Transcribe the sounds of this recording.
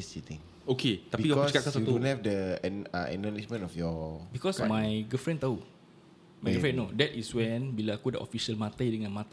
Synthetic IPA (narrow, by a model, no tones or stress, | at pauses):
sit̪ĩŋ | oket̪apiɡat͡ʃkakas̬auuhɛfdəɛ̰ɛ̰nəliʃmə̃nɔfjɔbikɔsmãjɡufɹɛ̃nt̪au | majɡfɹɛ̃nːodɛtiswɛ̃nbilaakudə̰ʔo̰fiʃəlmãt̪ajdəŋãnmãt̪a